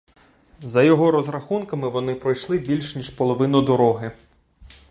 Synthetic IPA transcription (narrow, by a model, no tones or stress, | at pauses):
zɐjɔɦɔɾɔzɾɐxunkɐmɪʋɔnɪpɾɔjʃlˠɪbʲilʲʃnʲiʃpɔlˠɔʋɪnʊd̪ɔɾɔɦɪ